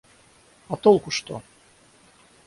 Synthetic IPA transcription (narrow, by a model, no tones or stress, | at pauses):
ɑt̪olˠkuʃt̪o̰